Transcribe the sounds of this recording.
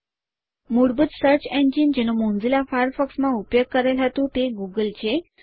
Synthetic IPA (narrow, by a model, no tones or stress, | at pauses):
muɽbət̪səɾt͡ɕẽɲd͡ʑind͡ʑeñomõnd͡zilafajɾfəksmaupjoɡ̚kəɾajlʱat̪ũt̪eɡuɡəlt͡ɕe